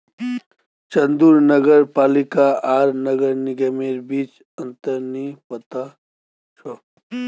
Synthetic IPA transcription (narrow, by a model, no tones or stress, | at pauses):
t͡ʃənd̪uɾnəɡəɾpaːlɪkaʔaːɾnəɡəɾniɡemeːɾbiːt͡ʃ | ɐ̃nt̪əɾnipət̪a | t͡ʃʰɔ